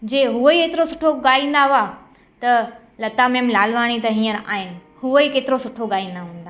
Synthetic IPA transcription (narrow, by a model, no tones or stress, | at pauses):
d͡ʑeːɦuoikeːt̪ɪɾosʊʈʰoɠaːĩːn̆d̪aɦʊa | t̪ɐ | lɐt̪amẽːmlaːlʋaːɽ̃it̪ɐɦĩːəɾa̰ːɦɪnɪ̆ | huoikeːt̪ɪɾosʊʈʰoɠaːĩːn̆d̪aɦũːn̆d̪aː